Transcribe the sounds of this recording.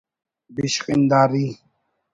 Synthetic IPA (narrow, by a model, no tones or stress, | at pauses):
biʃqʼɪnd̪aːɾi